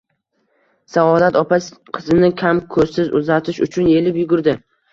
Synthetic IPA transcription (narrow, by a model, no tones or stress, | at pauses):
saɒd̪at̪ɒpaqʰɨzɪnɪkʲʰamkʰɵzsɪzʊ̰zat̪ʰɪʃʊ̰t͡ʃʰʊnje̞lɪpjʊɡʊɾd̪ɪ